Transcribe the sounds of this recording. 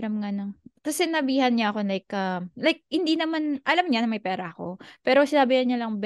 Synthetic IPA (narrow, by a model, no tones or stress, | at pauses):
ɾɐmŋanɐŋt̪ɐsɛnɐbiːhɐnɲɐʔɐko̞lajkɐmlajk̚hɪnd̪inɐmanʔɐlamɲanɐmɐjpɛːɾɐʔɐko̞pɛːɾosɪnaːbɪjɐɲɐlɐŋb